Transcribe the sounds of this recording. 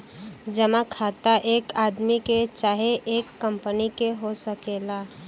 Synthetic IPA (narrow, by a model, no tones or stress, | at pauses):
d͡ʒəmakʰaːt̪aʔeːkaːd̪miket͡ʃaːɦeʔeːkːəmpənikeɦosəkela